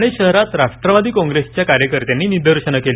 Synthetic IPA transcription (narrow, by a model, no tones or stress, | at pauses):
ɽ̃eɕəɦɾat̪ɾaʂʈɾəʋad̪ʱiːkɔ̃ŋɡɾest͡ɕjakaɾjəkəɾt̪janːiːnid̪əɾɕəɳəkel